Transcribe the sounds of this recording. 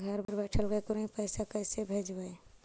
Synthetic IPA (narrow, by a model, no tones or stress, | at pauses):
ɡʱəɾbəɾbɛʈʰəlbɛkoɾĩpəɪsakəɪsebʱed͡ʒbəe